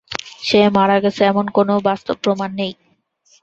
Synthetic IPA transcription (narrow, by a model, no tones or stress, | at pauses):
ʃemaɾaɡet͡ɕʰeɛmonkonobast̪obːɾomanːej